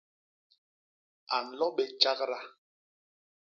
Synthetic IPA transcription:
a˨n̩˨lɔ˦ɓɛ˨t͡ʃa˦kɾa˦

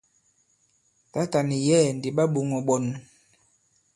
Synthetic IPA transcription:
ta˦ta˨ni˨jɛ˦˨ndi˨ɓa˦ɓu˨ŋɔ˨ɓɔ˨n˨

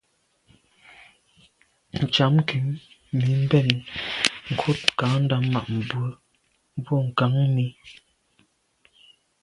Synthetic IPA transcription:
n̩˨t͡ʃa˨˦m˦ki˨˦ | mi˨˦m̩˦bɛ˦˨n | ŋ̩˨kʰo˦t̚ka˨˦n̩˦da˦ma˨ʔm̩˨bwə˨˦ | bɔ˦˨ŋ̩˨ka˨˦ŋni˦

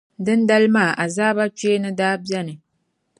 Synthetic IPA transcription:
dɨ˦nda˦lɨ˦maː˦˨ʔa˨zaː˦ba˦t͡ʃe˦nɨ˦daː˦bi˦ɛ˦nɨ˨

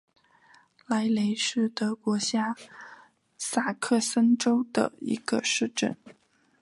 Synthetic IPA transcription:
la˧˥ɪle˧˥ɪʂɻ̩˥˩t̪ɤ˧˥kwɔ˧˥ɕja˥ | sa˥˩kʰɤ˥˩sə˥nʈ͡ʂo˥ʊd̪ə̰˨˩ḭ˧˥ɡ̥ə˧ʂɻ̩˥˧ʈ͡ʂə̰˥˩n

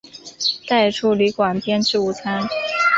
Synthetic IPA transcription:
t̪a˥˩ɪʈ͡ʂʰu˥˩ly˧˥kwa˨˩npjɛ˥nʈ͡ʂɻ̩˥˩u˧˥t͡sʰa˥n

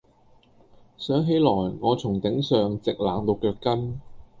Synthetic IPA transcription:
sœː˨˥ŋɦe˨˥jlɔː˨˩jŋɔː˨˧t͡sʰʊ˨˩ŋt̪ɪ˨˥ŋsœː˨ŋt͡sɪ˨k̚laː˨˧ŋt̪o˧wkœː˧kːɐ˥n

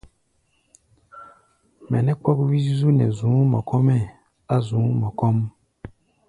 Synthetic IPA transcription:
mɛ˨nɛ˦k͡pwɔ˦bu˦wi˦zi˦zu˦nɛ̰˨zũ˨˦mɔ̰˨kɔ̃˦mɛ˦˨ | a˦zũ˨˦mɔ˨kɔ˦m˦

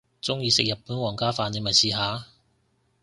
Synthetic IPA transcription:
t͡sʊ˥ŋjiː˨˧sɪ˨k̚jɐ˨˩pːuː˨˥nwɔː˨˩ŋkaː˥faː˧ni˨˥mɐ˨˩jsiː˧ɦaː˨˧

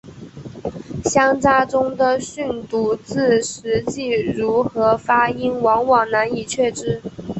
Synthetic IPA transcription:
ɕjɑ˥ŋt͡sa˥ʈ͡ʂʊ˥ŋd̪ə˨ɕy˥˩nt̪u˧˥t͡sɹ̩˥˩ʂɻ̩˧˥t͡ɕi˥˩ɻu˧˥xɤ˧˥fa˥i˥nwɑ˧˥ŋwɑ˨˩ŋna˧˥ni˨˩t͡ɕʰɥɛ˥˩ʈ͡ʂɻ̩˥

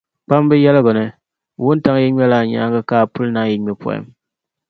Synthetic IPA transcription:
k͡pa˦m˦bɨ˦jɛ˦lbɔ˨nɨ˨ | wu˦n˦ta˦ŋ˦ji˦ɲɛ˦la˦˨ɲa̰˨˦ŋɡa˦kaː˦˨pu˦lna˦ji˨˦ɲɛ˨pɔ̰˨ɛ̰˦m

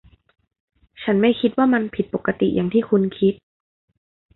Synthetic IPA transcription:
t͡ɕʰa˦˥nma˥˩jkʰi˦t̪̚waː˥˩ma˧npʰi˨˩t̪̚po˨˩kːa˧t̪ḭ˨˩jaː˨˩ŋt̪ʰiː˥˩kʰu˧nkʰi˦˥t̪̚

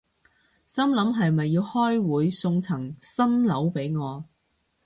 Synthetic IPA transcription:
sɐ˥mlɐ˨˥mɦɐ˨jmɐ˨jːiː˧whɔː˥jwuː˨˥jsʊ˧ŋt͡sʰɐ˨˩ŋsɐ˥nlɐ˨˥wpe˨˥jŋɔː˨˧

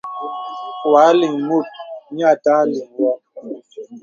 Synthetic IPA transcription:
waː˨˦li˨ŋmu˦˨t̚ɲa˦˨ta˦li˨ŋwɔ˦

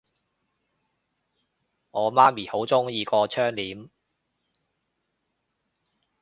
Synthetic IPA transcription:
ŋɔː˨˧maː˥miː˨˩ho˨˥wt͡sʊ˥ŋjiː˧kɔː˧t͡ʃʰœː˥ŋliː˨˥m

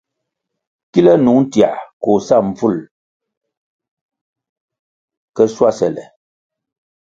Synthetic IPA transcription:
ki˦lə˦nu˨˦n˦tja̰˨ʔko˨sa˦˨m˨fu˦˨l | kə˦swa˦sɛ˨lɛ̰˨

